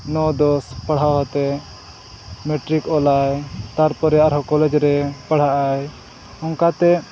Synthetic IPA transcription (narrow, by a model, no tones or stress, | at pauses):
nɔd̪ɔspəɽ̤awɦɔt̪ɛ | mɛʈɾikɔlajt̪aɾpɔɾɛaɾɦɔkɔlɛd͡ʒɾɛpaɽ̤aʔaj | ɔŋkat̪ɛ